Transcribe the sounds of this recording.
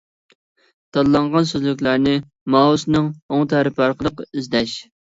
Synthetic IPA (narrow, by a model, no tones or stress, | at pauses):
t̪ʰɑllˠɑɴʁɑnsøzlykʲlæɾnɪ | mɑːɦusnɨŋoŋt̪ʰæɾɪpɑɾqəlˠəqyzd̪ɛʃ